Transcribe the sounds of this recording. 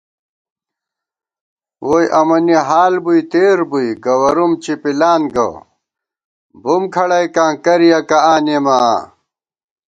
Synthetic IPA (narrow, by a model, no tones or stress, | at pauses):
woːjʔɐmɐniɦaːlbujt̪eːɾbujɡɐwɐɾumt͡ɕipilaːnɡɐ̰ | bumkʰɐɽɐjkãːkɐɾijɐkaaːnemaː